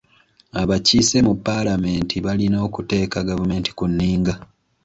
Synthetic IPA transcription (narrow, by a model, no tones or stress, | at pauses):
aβacise̞mupːalame̞ːntʰiβalino̞ːkute̞ːkaɡavume̞ːnti̥kunːiːŋɡa